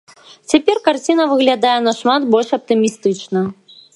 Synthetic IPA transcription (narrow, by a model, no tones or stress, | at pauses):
t͡sʲapʲɛrkart͡sʲinɐvɨɣlʲad̪ajɛnɐʂmat̪bɔlʲʂɐp̚t̪ɨmʲist̪ɨt͡ʂnɐ